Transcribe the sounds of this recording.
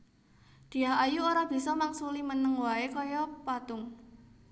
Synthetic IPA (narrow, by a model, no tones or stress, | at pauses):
d̪̥i̤aɦajuoɾab̥i̤sɔmaksulimənəŋwaekɔjɔpat̪ʊŋ